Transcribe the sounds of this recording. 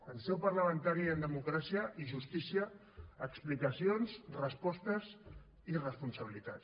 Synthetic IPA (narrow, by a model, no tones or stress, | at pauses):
əlsɛwpəɾləmənt̪aɾiənd̪əmukɾasiəʔiʒust̪isiəː | ksplikəsionzrəspɔst̪əz | irəspunsəβilit̪at